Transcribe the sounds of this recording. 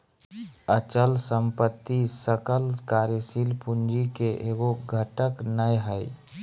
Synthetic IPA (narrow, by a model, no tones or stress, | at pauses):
ət͡ʃəlsəmpət̪ːisəkəlkaɾjəsilpund͡ʒikeʔeɡoɡʱəʈəknəjɦəj